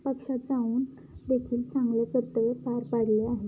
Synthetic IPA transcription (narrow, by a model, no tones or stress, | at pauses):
pəkʂad͡zauːn | d̪ekʰiːlt͡sãŋɡlekəɾt̪əʋepaɾpaɽleaɦe